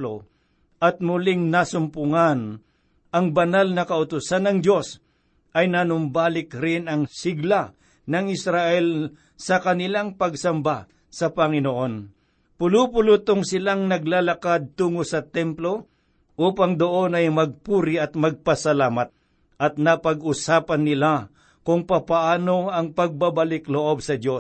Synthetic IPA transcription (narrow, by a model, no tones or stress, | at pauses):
lo | ʔɐt̪̚mʊlɪŋnasʊmpʊŋan | ʔɐŋbɐnalnɐkɐʊt̪ʊsanːɐŋd̪o̞s | ʔɐjnanʊmbaːlɪkɾɪnɐŋsɪɡla | nɐŋɪsɾaʔɛl | sɐkɐnɪlaŋpɐɡsɐmba | sɐpɐŋɪnoʔo̞n | pʊlupʊlʊt̪oŋsɪlaŋnɐɡlalɐkad̪̚t̪uːŋosɐt̪ɛmplo̞ | ʔuːpaŋd̪oʔo̞nɐjmɐɡ̚puːɾɪʔɐt̪̚mɐɡ̚pɐsɐlaːmɐt̪̚ | ʔɐt̪̚nɐpɐɡʊsaːpɐnːɪla | kʊŋpapaʔaːnoɐŋpɐɡ̚babɐlɪkloʔob̚sɐd̪o